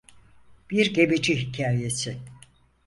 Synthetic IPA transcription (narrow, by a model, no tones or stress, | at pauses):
b̥iɾɟe̞med͡ʒiɦicʰaːje̞sɪ